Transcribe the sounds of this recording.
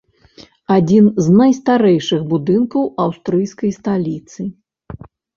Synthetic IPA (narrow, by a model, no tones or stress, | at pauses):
ad͡zʲinznajst̪aɾɛjʂɨɣbud̪ɨnkɐwawst̪ɾɨjskɐjst̪alʲit̪sɨ